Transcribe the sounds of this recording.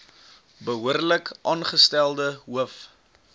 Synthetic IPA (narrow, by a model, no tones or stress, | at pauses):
bəɦuərləkʔɑːnχəstælˠdəɦuəf